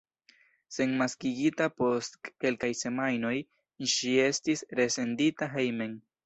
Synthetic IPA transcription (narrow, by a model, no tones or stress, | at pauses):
se̞nmaskiɡitapo̞stke̞lkajse̞majno̞j | ʃie̞stisɾe̞se̞nditaɦe̞jme̞n